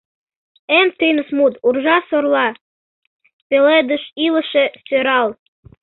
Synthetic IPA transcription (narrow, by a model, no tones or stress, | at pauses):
emt̪ɨnəsmut̪urʒɑsorlˠɑ | peled̪əʃilˠə̆ʃest̪ʲøɾɑlˠ